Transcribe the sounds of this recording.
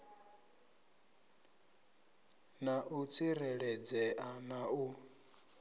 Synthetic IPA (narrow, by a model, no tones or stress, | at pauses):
naʔut͡sʰiɾɛɺɛd͡zɛʔanau